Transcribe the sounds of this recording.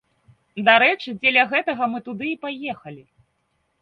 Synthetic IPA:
d̪aɾɛt͡ʂɨd͡zʲɛlʲɐɣɛt̪ɐɣɐmɨt̪ud̪ɨːpajɛxɐlʲi

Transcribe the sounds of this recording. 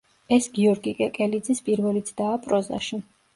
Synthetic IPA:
ɛsɡiɔɾɡikʼɛkʼɛlid̪zispʼiɾvɛlit̪sʰd̪̥aːpʼɾɔza̰ʃi

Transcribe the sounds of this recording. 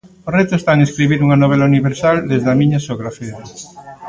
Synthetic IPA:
oret̪oest̪aŋeskɾiβiɾuŋanoβ̞elauniβeɾsald̪ezðamĩɲasoɣɾafeð

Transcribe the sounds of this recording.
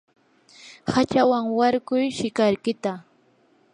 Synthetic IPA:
hat͡ʃawaŋwaɾkʊjʃɪkaɾkɪt̪a

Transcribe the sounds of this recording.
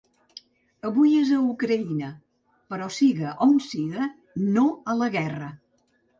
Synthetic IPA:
əβujezəukɾəinə | pəɾɔsiɣəʔonsiɣə | noələɣɛrə

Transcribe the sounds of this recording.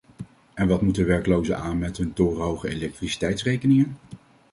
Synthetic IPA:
ɛnʋɑtmutənʋɛɹkəlowzə̰aːnmɛtɦɵntʊːrəɦowχəelɛk̚trisi̥tɛjtsrejkənɪŋən

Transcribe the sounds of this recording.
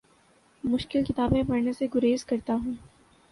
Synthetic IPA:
mʊʃkɪlkɪt̪aːbẽpɐɾneseɡʊɾeːzkɐɾt̪aɦũː

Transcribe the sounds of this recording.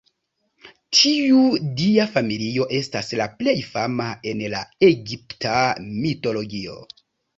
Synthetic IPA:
tʰiudiafamilio̞ʔe̞staslaple̞jfamae̞nlaeɡiptʰamito̞lo̞ɡio̞̰

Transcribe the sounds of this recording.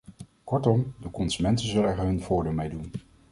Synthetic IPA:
kɔɹtɔmdəkɔnzymɛntənzəlɛɹɦɵnv̥ʊːɹdɪːlˠmejdun

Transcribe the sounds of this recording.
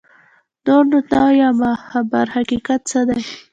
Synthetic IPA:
noɾnʊtnɑwjɑmahabaɾhakikat̪̚t͡səd̪aj

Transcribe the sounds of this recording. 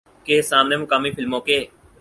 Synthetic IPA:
keːsaːmneːmʊkaːmiːfɪlmõːkeː

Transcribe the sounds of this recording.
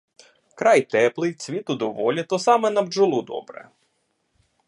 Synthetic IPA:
kɾɑjt̪ɛplˠɪjt͡sʲʋʲit̪ʊd̪ɔʋɔlʲit̪ɔsɑmɛnɐbd͡ʒʊlˠud̪ɔ̰bɾɛ̰

